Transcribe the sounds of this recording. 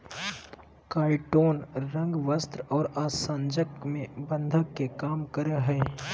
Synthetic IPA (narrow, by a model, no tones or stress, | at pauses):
kaːɪʈoːnɾɐ̃ŋɡʋəst̪ɾɔːɾaːsãːnd͡ʒəkmẽbə̃nd̪ʱəkːekaːmkəɾeɦɛː